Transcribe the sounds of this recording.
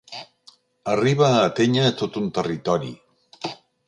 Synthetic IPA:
əriβaːt̪eɲat̪ot̪unt̪ərit̪ɔɾḭ

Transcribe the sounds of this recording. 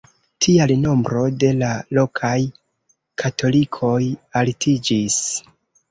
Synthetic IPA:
tʰialno̞mbɾo̞de̞lalo̞kʰaj | kʰatʰo̞likʰo̞jaltʰid͡ʒis

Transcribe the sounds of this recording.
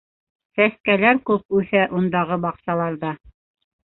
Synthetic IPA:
sæskælæɾkʉp̚ʉθæʔund̪ɑʁɤbɑqsɑlˠɑɾðɑ

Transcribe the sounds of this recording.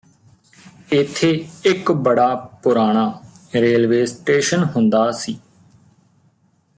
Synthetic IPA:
ɪt̪ʰːeːɪkbəɽaːpʊɾaːɽ̃aː | ɾeːlʋeːsʈeːʃənɦʊ̃nd̪aːsiː

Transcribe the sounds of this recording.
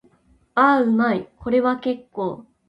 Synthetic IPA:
aɯ̟maiko̞ɾe̞βake̞kːo̞ː

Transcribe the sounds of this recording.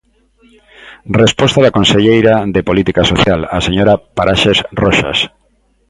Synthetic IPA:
respost̪aðakonseʎejɾaðepolit̪ikasoθjalaseɲoɾapaɾaʃesroʃa̰s

